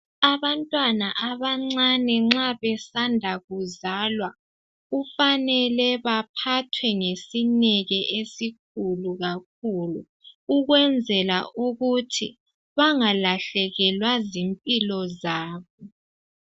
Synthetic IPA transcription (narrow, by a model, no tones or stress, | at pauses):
aβantʼwanaʔaβaŋ͡ǀanɛŋ͡ǁaβɛsandʱaɣuzalwa | ufanɛlɛβapʰatʰwɛŋesinɛɣɛʔesik̚ʰuluɣak̚ʰulṵ | uɣwɛnd͡zʱɛla̰ʔuɣutʰi | βaŋalaɬɛɣɛlwazimpʼilɔzaːβɔ